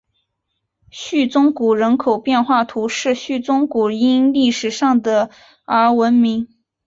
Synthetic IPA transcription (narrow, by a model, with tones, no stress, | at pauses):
ɕy˥˩t͡sʊ˥ŋku˨˩ɻə˧˥nkʰo˨˩ʊpjɛ˥˧nxwa˥˩t̪ʰu˧˥ʂɻ̩˥˧ɕy˥˩t͡sʊ˥ŋku˨˩i˥nli˥˩ʂɻ̩˨˩ʂɑ˥˩ŋd̪ə˩ | ə˞˧˥wə˧˥nmi˧˥ŋ